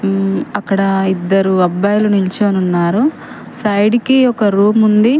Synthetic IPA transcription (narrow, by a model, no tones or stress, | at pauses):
ɐkːɐɽɐid̪ːɐɾuɐbːɐːjlunilt͡ʃoɐnunːaːɾu | sɐjɽikiɔkɐɾuːmund̪i